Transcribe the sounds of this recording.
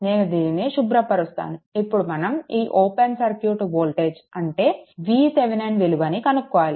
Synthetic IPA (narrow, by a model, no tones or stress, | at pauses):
neːnud̪iːneʃubɾɐpɐɾust̪a̰ːnuipːuɽumɐnɐmiːʔoːpensɐɾkjuːʈuboːlʈe̞ːd͡ʒɐɳʈe̞ːʋiːseʋinenɖʋeluʋɐnikɐnukːɔʋaːli